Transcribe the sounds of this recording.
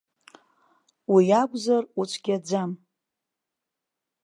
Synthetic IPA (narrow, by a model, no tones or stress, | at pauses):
wijaɡʷzarut͡ʃʷʰɡ̥ʲad͡zam